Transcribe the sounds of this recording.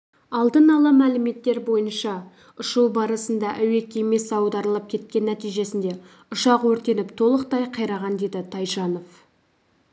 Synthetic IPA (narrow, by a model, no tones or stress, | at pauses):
ɑlˠd̪ənɑlˠɑmælɪme̞t̪ːe̞ɾbo̞jənʃɑ | ʊʃuwbɑɾəsənd̪ɑʔæwe̞kʲʰeme̞sɑwd̪ɑɾəlˠəp̚kʲʰe̞t̪̚kʲe̞nːæt̪ijʒe̞sɪnd̪e̞ | ʊʃɑqwɵɾt̪e̞nɪpt̪ʰo̞lˠəqt̪ɑjqʰɑjɾɑʁɑnd̪e̞d̪ɪt̪ʰɑjʃɑno̞f